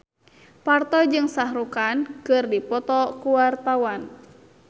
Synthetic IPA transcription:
part̪ɔd͡ʒɨŋsahɾukankɨrdipɔt̪ɔkuwart̪awan

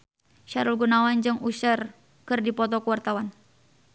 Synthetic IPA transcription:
ʃaɾulɡunawand͡ʒɨŋusər | kɨrdipɔt̪ɔkəwart̪awan

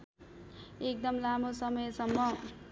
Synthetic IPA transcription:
ek̚d̪ʌmlamosʌmʌjsʌmːʌ

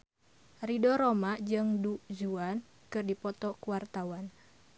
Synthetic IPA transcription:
ridɔɾomaʔd͡ʒɨŋduzuan | kɨrdipɔt̪ɔkuwart̪awan

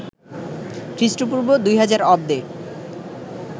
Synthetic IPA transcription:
kɾiʃʈop̬uɾbod̪ujɦad͡ʑaɾɔb̚d̪e

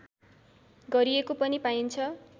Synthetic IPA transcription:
ɡʌɾiekopʌnipaint͡sʰʌ

